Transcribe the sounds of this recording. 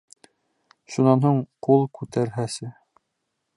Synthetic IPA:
ʃunɑnɦuɴqulˠkʉt̪ʰæɾɦæsɘ

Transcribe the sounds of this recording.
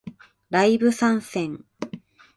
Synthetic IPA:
ɾaibɯ̟sãɰ̃sẽŋ

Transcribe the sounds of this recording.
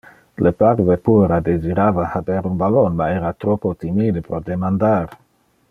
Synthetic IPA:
lʔepaɾvepueɾad̪eziɾavahabeɾunbalonmaeɾat̪ɾopot̪imid̪epɾod̪emand̪aɾ

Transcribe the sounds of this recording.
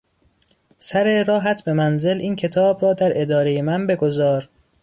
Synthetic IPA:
sæɾeɾɒːɦæt̪ʰbe̞mænze̞lʔiːncʰe̞t̪ʰɒːbɾɒːd̪æɾe̞d̪ɒːɾe̞jemænbe̞ɡo̞zɒːɾ

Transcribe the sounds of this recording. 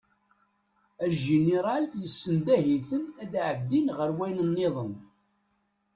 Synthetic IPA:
æʒineɾˤɑljəsːənd̪æɦiθənæd̪ʕəd̪ːinʁəɾwæjnənːeðˤən

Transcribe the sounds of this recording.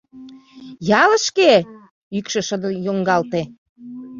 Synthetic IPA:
jɑlə̆ʃke | ykʃə̆ʃəd̪əjoŋɡɑlt̪e

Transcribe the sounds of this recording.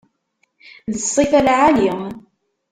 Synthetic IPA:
ðəsˤːifælʕali

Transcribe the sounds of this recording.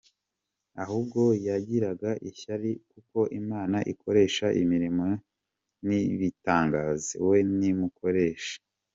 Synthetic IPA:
ahuːb̚ɡo̞jaɟiɾaɡaʔiçaɾikuko̞ʔimaːnaʔiko̞ɾe̞ːʃaʔimiɾimo | niβitaːŋɡaːzḭwe̞nimuko̞ɾe̞ːʃḁ

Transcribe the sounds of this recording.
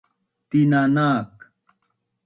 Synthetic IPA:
t̪inanaːk

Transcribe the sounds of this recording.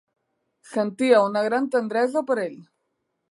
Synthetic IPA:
sent̪iaunaɣɾant̪end̪ɾezopoɾel

